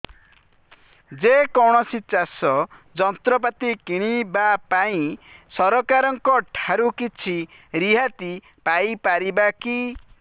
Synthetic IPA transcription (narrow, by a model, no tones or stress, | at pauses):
d͡ʒekɔɽ̃ɔsit͡ʃasɔd͡ʒɔnt̪ɾɔp̬at̪ikiɽ̃ibapaĩsɔɾɔkaɾɔŋkɔʈʰaɾukit͡ʃʰiɾiɦat̪i | pajpaɾibaki